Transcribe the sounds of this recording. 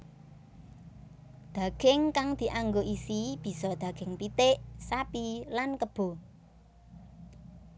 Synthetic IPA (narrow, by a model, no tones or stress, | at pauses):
d̪̥a̤ɡ̥ɪŋkaŋd̪̥i̤ʔaŋɡoʔisib̥i̤sɔd̪̥ä̤ɡ̥ɪŋpit̪ɪʔsapilankəb̥o̤